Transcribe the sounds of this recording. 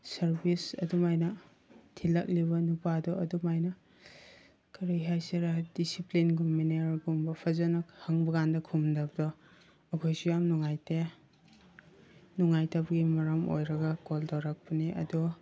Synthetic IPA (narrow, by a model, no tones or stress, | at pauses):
sɐɾbisɐ̰dumajnɐ | tʰilɐk̚libɐnupadɔɐdumajnɐ | kʰɐɾajɦajseɾadisiplinɡumːeneɾɡumbɐpʰɐzanɐhaŋbɐɡandɐkʰumdabdɔː | ɡʰojsujamnuŋajte | nuŋajtabɐɡimɐɾamo̰jɾɐɡɐkoldawɾak̚pɐniʔɐ̰du